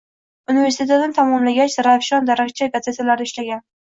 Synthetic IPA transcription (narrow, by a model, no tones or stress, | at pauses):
ʊnɪve̞ɾsɪt̪ʰe̞t̪d̪ant̪ʰamɒmlaɡʲat͡ʃɾafʃɒnd̪aɾakt͡ʃʰaɡaze̞t̪ʰlaɾɪʃlaɡʲan